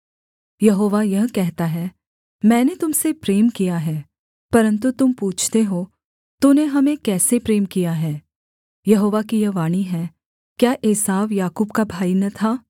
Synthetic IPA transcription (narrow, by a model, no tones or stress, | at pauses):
jɐɦoːʋajɐɦkɛɦt̪aɦɛː | mɛ̃ːnet̪ʊmsepɾeːmkijaɦɛː | pɐɾə̃nt̪̬ut̪ʊmpuːt͡ʃʰt̪eɦoː | t̪ʊneɦɐmẽkɛːsepɾeːmkijaɦɛː | jɐɦoːʋakijɐɦʋaːɽ̃iɦɛː | kjaːʔeːsaːʋjaːkuːb̚kabʱaːinɐt̪ʰaː